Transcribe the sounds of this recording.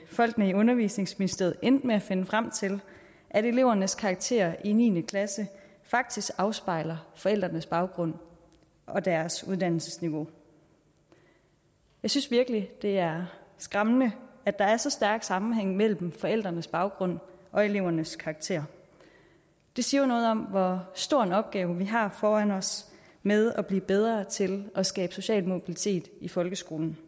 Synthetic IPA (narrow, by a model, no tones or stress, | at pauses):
fɒ̽l̰ɡ̥nəiɔ̽nɐʋḭːsne̝ŋsminisd̥ḛð̞̩ˠend̥meæfe̝nəfʁam̰t͡sʰe̝l | ʔæɾe̝le̝ʊɐnəskʰɑ̈ːɡ̥̚t͡sʰe̝̰ːɐinḭːnəkʰlæsə | fɑ̈ɡ̥̚d̥isɡ̥ɑ̈ʊsb̥ɑ̈ɪ̰lɐfɒ̽el̰d̥ʁɐnəsb̥ɑ̈ʊɡ̥ʁɔ̽n̰ | ʔɒ̽d̥æɐsuð̞ˠd̥æn̰l̩sə̥sniʋo̝ | jɑ̈ɪsynsʋiɐɡ̥əlid̥e̝æɐsɡ̥ʁamnəæd̥ɑ̈æɐsɒ̽sd̥æɐɡ̥sɑ̈mm̩ɦeŋ̰mel̰mm̩fɒ̽el̰d̥ʁɐnəsb̥ɑ̈ʊɡ̥ʁɔ̽n̰ʔɒ̽e̝le̝ʊ̰ɐnəskʰɑ̈ːɡ̥t͡sʰe̝̰ːɐ̰ | d̥e̝siɐjonɔ̽ːð̞̩ˠɒ̽mʋɒsd̥o̝ɐ̰enɒ̽b̥̚ɡ̥ɛːʊʋiɦɑ̈fɒːænɒ̽s | með̞ˠɒb̥lḭːb̥eð̞ˠʁɐːt͡sʰe̝lɒ̽sɡ̥ɛːb̥so̝ɕɛ̰ːlmo̝b̥ilit͡sʰe̝̰ːd̥ifɒ̽lɡ̥əsɡ̥o̝ːln̩